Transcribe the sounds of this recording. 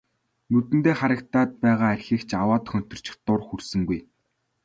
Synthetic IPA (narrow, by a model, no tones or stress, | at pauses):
nɵt̪ɘ̆nt̪eːχaɾə̆k̚t̪aːt̪̚pæːʁaːærʲxiːkt͡ɕʰawaːt̪̆xœn̥t̪ɞ̆r̥t͡ɕɪ̥̆xt̪ʊrxursɘ̆ŋɡuj